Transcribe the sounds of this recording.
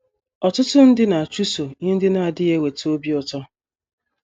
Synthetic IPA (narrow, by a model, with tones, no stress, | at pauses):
ɔ˨tʊ˦tʊ˦n̩˦dɪ˦na˨a˨t͡ʃu˦so˨ɲɪ˦n̩˦dɪ˦na˨a˨dɪ˦je˦we˨to˦bi˦ɔ˨tɔ˦